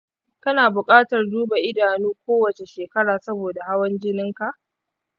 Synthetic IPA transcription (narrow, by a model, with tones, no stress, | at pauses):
kɐ˦naː˨bʊ˨kʼaː˦tɐ˨rduː˦ba˨ʔɪ˦daː˨nuː˦kʷoː˦wɐ˨t͡ʃe˨ʃeː˨kɐ˦ɽaː˨sɐ˦boː˨da˨ha˦wɐ˦nd͡ʒɪ˦nɪ˦ŋka˨ʔ